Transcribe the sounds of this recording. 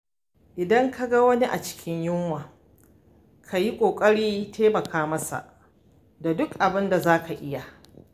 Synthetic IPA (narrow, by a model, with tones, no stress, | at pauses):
ʔɪ˨dɐ˦ŋka˦ɡa˦wɐ˦ni˦ʔa̰˨t͡ʃɪ̥˦kʲʰɪ˦ɲjʊ˦ŋwaː˨ | kʰa˨ji˦kʷʼoː˨kʼɐ˦ɽiː˦tʰeː˦mɐ˨kaː˦mɐ˦sa̰˨ʔ | da˨dʊ˦kʔa˨bɪ˦nda˨zaː˦ka˨ʔɪ˦ja˨